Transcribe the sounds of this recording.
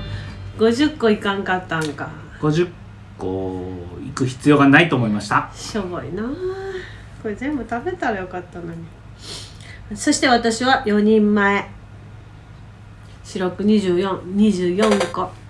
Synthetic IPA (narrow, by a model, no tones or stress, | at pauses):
ɡ̥o̞ʑɨkːo̞ikãŋkat̪ːãŋka | ɡ̥o̞ʑɨkː | o̰ikɯ̟çi̥t͡sɨjo̞ːɡanait̪o̞ːmoimaɕi̥t̪aɕoboina | ko̞ɾezẽ̞mbɯ̟t̪abe̞t̪aɾajo̞kat̪ːano̞ɲ̟i | so̞ɕi̥t̪e̞βat̪aɕiβajo̞ɲ̟ĩmːae̞ | ɕiɾokɯ̟ɲ̟iʑɨːjõɲ̟iʑɨːjõ̞ŋko̞